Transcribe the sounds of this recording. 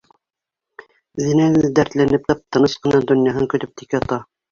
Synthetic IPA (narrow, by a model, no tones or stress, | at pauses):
ðinæɘd̪æɾt̪lænɘp̚t̪ɑp̚t̪ɤ̆nɤʃqɤ̆nɑd̪ŏnjɑɦɤŋkɵ̆t̪ɵp̚t̪ikɘɑt̪ɑ